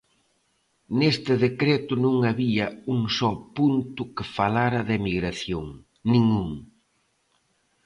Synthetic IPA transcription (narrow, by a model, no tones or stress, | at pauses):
nest̪ɪðekɾet̪ʊnũŋaβiɐuŋsɔpunt̪ʊkɪfalaɾɐðemiɣɾaθjoŋ | nĩŋuŋ